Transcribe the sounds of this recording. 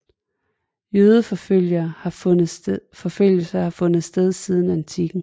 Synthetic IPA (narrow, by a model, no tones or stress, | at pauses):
jøːð̞ˠəfljɐː | fɒ̽føl̰jəsɑhɑ̈fɔ̽nð̩ˠsd̥eð̞ˠsiːð̞ˠn̩æent͡sʰiɡ̥n̩